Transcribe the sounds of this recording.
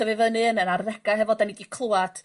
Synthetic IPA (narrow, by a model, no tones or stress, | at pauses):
ɔvɨvənɨnənarːɛɡaɦɛvɔdanidikʰl̥ˠuad̥